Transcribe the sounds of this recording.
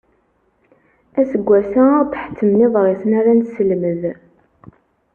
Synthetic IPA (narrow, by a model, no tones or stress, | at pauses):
æsəɡʷːæsæɾθħə̥t͡sʰːəmniðˤɾˤesənæɾænsəlməð